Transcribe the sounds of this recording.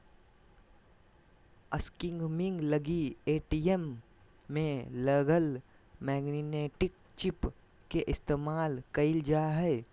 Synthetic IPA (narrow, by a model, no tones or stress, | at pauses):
əskɪ̃ŋɡmɪ̃ŋɡləɡieːʈiemː | ẽləɡəl | mɛːɡnineːʈɪk̚ | t͡ʃɪp | keʔɪst̪eːmaːlkəɪld͡ʒaːɦɛː